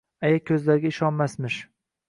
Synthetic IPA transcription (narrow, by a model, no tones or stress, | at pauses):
ajakʲʰɵzlaɾɡʲaɪʃɒnmasmɪʃ